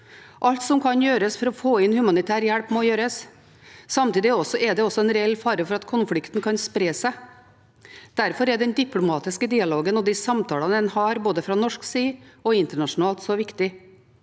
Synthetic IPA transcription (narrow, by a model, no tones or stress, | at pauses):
ʔɑlt̪sɔmkʰɑnjøːɾəsfɔɾɔfoːɪnhʉmɑnɪt̪ʰæːɾjæɽpmoːjøːɾəs | sɑmt̪iːd̪ɪɔsːɔʔɛd̪ɛɔsːɔɛnɾɛɛlːfɑːɾəfɔɾɑt̪kʰʊnfɽɪkt̪n̩kʰɑnspɾeːsæɪ | d̪̥æɾfɔɾɛd̪ɛnd̪ɪpʰlʊmɑːt̪ɪskəd̪iːɑloːɡənɔd̪ɪsɑmt̪ʰɑːlɑnəɛnhɑɾboːd̪əfɾɑnɔʂksiːɔɪnt̪əɳɑʂʊnɑːlt̪sɔʋɪkt̪ɪ